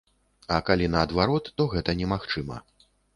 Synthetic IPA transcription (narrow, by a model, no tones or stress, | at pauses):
ɐkalʲinɐːd̪vaɾɔt̪ːɔɣɛt̪ɐnʲɛmaxt͡ʂɨmɐ̰